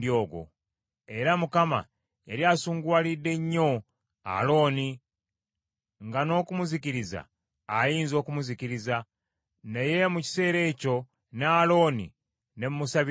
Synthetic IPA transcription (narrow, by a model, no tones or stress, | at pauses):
do̞ːɡwo̞̰ | e̞ɾamukama̰ | eɾiaːsuːŋɡwaːlidːe̞ɲːo̞ | a̰lo̞ːni | ŋɡano̞ːkumuziciɾiza̰ː | jiːnzo̞ːkumuziciɾiza | neje̞muci̥se̞ːɾe̞ːco̞ | naːlo̞ːnḭ | ne̞mumusaβ